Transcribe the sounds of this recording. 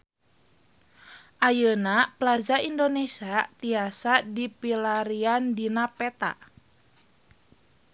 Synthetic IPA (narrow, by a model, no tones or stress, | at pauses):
ʔajənaplazaindonesiat̪iasadipilaɾiandinapɛt̪a̰ʔ